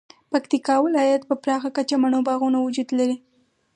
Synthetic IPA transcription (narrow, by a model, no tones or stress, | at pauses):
pakt̪ikɑwɪlɑjat̪̚pəpɾɑxakat͡ʃamaɳobɑɣunawʊd͡ʒud̪laɾi